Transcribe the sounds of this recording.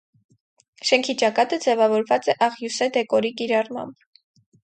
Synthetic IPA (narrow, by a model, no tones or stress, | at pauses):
ʃɛŋkʰit͡ʃɑkɑt̪əd͡zɛvɑvɔɾvɑt͡sɛʔɑʁjusɛd̪ɛkɔɾikiɾɑrmɑ̰mb